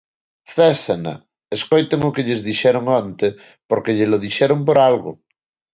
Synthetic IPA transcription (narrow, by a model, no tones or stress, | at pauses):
θesana̰ | eskojt̪eŋokeʎezðiʃɛɾoŋõnt̪e | poɾkeʎeloðiʃɛɾompoɾalɣo̰